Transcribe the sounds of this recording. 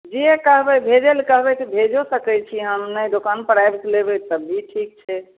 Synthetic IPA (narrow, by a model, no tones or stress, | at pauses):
d͡ʒiekəɦbɛbʱed͡ʒelkəɦbɛt̪bʱed͡ʒosəkɛt͡ʃʰiɦãnnəjd̪okanpəɽajbklebɛt̪əbiʈʰik̚t͡ʃʰɛ